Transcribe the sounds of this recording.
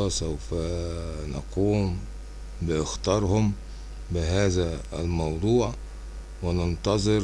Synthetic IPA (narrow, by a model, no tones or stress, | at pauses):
sæwfænɑ̰quːm | bɪʔɪxt̪ɑːɾˤhʊm | bɪɦæːzæːlmɑwd̪ˤuːʕ | wɪnɑnt̪ˤɑzˤɨɾ